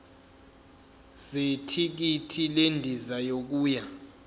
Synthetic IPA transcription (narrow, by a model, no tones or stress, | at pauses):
setʰik̬itʰilendʱizajok̬uːja